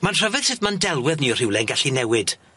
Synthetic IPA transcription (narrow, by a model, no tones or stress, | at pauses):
manr̥ɔvɨð̥sɨðmandɛlˠwɪðniɔr̥ɪwlˠɛnɡaɬinɛwɪd̥